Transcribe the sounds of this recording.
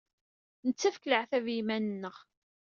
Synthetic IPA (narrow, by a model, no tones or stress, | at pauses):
nət͡sːæfkləʕθævjimænənːəʁ